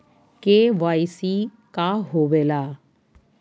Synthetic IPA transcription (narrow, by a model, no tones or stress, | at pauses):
keʋaːjsi | kaɦoːʋeːlaː